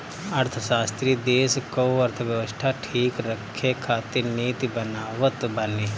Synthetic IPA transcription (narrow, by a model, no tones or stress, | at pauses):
ɐɾt̪ʰəʃaːst̪ɾid̪eːskoɐɾt̪ʰəʋjəʋəst̪ʰaʈʰiːkɾəkʰːekʰaːt̪iɾniːt̪ibɐnaːʋət̪bɐne